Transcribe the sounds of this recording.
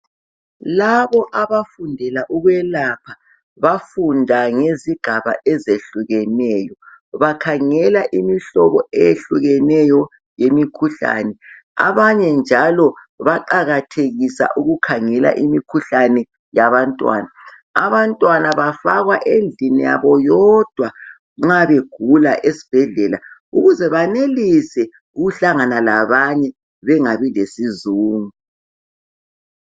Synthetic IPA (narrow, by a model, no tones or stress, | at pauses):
laβɔʔaβafundʱɛlaʔuɣwɛlapʰa | βafundʱaŋeziɡ̥ʱaβa̰ʔɛzeɬuɣɛnɛːjɔ | βakʰaŋɛlaʔimiɬɔβɔɛjeɬuɣɛnɛjɔ | jemikʰuɬa̰nɛ | a̰βaɲɛnd͡ʒʱalɔ | βaǃaɣatʰeɣisa̰ʔuɣukʰaŋɛla̰ʔimikʰuɬanɛ | jaβantʼwa̰ːnaː | βantʼwanaβafaɣwaʔend͡ɮʱinija̰βɔjɔd̥ʱwa | ŋ͡ǁaβeɡ̥ʱulaʔesi̥b̥ʱɛɮɛlauɣuzɛβanelisɛ | uɣuɬaŋanalaβaɲɛ | βɛŋaβilesizuːŋu